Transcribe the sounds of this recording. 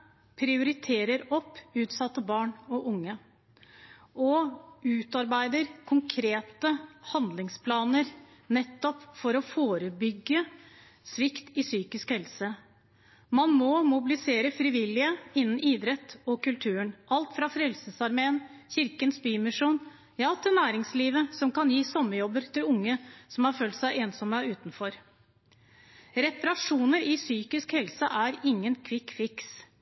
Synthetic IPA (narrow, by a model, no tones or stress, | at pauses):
pʰɾɪʊɾɪt̪ʰeːɾəɾɔpːʉːt̪sɑt̪ːəbɑːɳɔʔʊŋːə | ɔʉːt̪ɑɾbæɪd̪əɾkʰʊŋkʰɾeːt̪əhɑnd̪lɪŋspʰlɑːnəɾ | nɛt̪ːɔpfɔɾɔfoːɾəbʏɡːə | sʋɪkt̪ɪsyːkɪskhɛlsə | mɑnmɔmʊbɪlɪseːɾəfɾɪʋɪlːɪəɪnːn̩ʔiːd̪ɾɛt̪ːɔkʉlt̪ʰʉːəɳʔɑlt̪fɾɑfɾɛlsəsɑɾmeːənçɪɾkənsbyːmɪʂuːn | jɑːt̪ʰɪlnæːɾɪŋsliːʋəsɔmkɑnjiːsɔmːəjɔbəɾt̪ʰɪlʊŋːəsɔmhɑɾføːlt̪sæɪʔeːnsɔmæɾʉːt̪n̩fɔɾ | ɾɛpɑɾɑʂuːnəɾɪsyːkɪskhɛlsəʔæɾɪŋːənkʰʋɪkfɪks